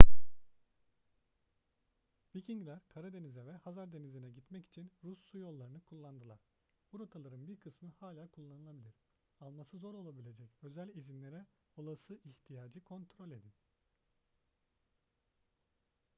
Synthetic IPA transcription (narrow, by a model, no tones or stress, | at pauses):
vicʰiŋɡlʲæɾkʰaɾad̪e̞nizɛvɛhazaɾd̪e̞nizinɛɟit̪mɛci̥t͡ʃʰinɾusːujo̞lˠːaɾɯnɯkʰulˠːand̪ɯlˠaɾ̥ | buɾot̪ʰalˠaɾɯnbiɾkʰɯsmɯhaːlʲaːkʰulˠːanɯlˠabilʲiɾ̥ | alˠmasɯzo̞ɾo̞lˠabilʲe̞d͡ʒɛcø̞zælʲizinlʲe̞ɾɛ | o̞lˠasɯʔiçt̪ʰijaːd͡ʒɯkʰo̞nt̪ʰɾo̞lʲe̞d̪in